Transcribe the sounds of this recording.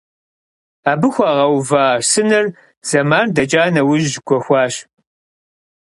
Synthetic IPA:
aːbɨxʷɑːʁɐwvaːsɨnɐr | z̥ɐmaːrdɐt͡ʃʼaːnɐwʊʒʒɡʷɔxʷɑːɕ

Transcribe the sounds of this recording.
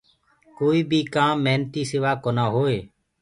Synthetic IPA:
koːiːbʱiːkaːmːeɦnt̪iːsɪʋaːkoːnaːɦoːeː

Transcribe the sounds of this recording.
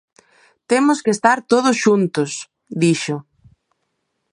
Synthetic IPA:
t̪emʊskest̪aɾt̪oð̞ʊsʃunt̪ʊs | d̪iʃʊ

